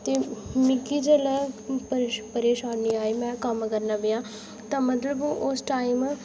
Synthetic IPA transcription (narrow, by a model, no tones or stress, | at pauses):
t̪eːmɪkiːd͡ʒəlɛːpəpəɾeːʃaːniːaːeiːmɛ̃ːkəmkəɾnaːbɪjãː | t̪ãːmət̪ləbʔʊsʈaːim